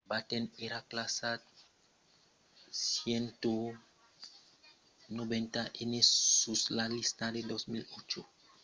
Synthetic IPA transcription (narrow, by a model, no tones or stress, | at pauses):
bat̪eneɾaklasat̪̚ | sjent̪o | nobẽnt̪aʔenessuslalist̪ad̪ed̪osmilot͡ʃo